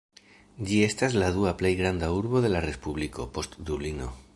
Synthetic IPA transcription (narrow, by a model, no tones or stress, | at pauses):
d͡ʒie̞staslaðuaple̞jɡɾandauɾβo̞ðe̞laɾe̞spuβlikʰo̞po̞std̪ublino̞̰